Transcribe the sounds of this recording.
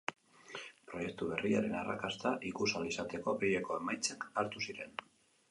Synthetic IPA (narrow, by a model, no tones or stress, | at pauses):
pɾo̞je̞k̚t̪uβe̞riaɾe̞nara̰kast̪aʔikusalisat̪e̞ko̞bejeko̞e̞majt͡sekaɾt̪usiɾe̞n